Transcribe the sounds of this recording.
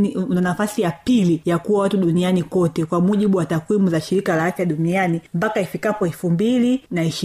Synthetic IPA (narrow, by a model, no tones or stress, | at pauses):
anafasijapilijakuwawatuɗunianikɔtɛkwamuʄiɓuwatakwimuzaʃiɾikalaafjaɗunianimpakaifikapɔɛfumbilinaiʃ